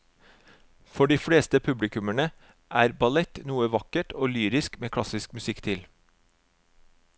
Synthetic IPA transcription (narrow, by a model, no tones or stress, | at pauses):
fɔɖiːfɽeːst̪əpʰʉblɪkʉməɳə | ʔæːɾbɑlɛt̪nuːəʋɑkəʈoːlyːɾɪskmeːkʰɽɑsɪskmʉsɪkt̪ʰɪl